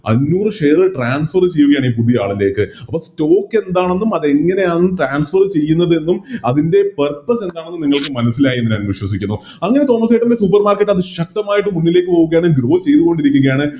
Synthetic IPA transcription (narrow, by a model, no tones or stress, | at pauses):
ɐ̰nːuːrɨʂejɐrɨʈraːnsfɐrt͡ɕe̞jːuɣɐjaːɳiːpuðija̰ːɭile̞ːkːɨɐpːosto̞ːkːe̞nd̪aːɳenːumɐðe̞ŋːɐne̞jaːnnːmʈraːnsfɐrt͡ɕe̞jːunːɐðe̞nːumɐðinde̞perpːɐse̞nd̪aːɳenːumniŋːɐɭkɨmɐnɐsːilaːjieːinɐnʋiɕwɐs̬ikʲːunːu | ɐŋːɐne̞t̪o̞ːmɐsejʈːɐmdes̬up̬ːɐrmaːrkeʈːɐðɨɕɐk̚t̪ɐmaːjiʈːɨmːunːile̞ːkʲːɨpoːɣuɣɐjaːɳɨɡɾo̞ːt͡ɕe̞jt̪uɣo̞ɳɖiɾikʲːuŋɡɐjaːɳɨ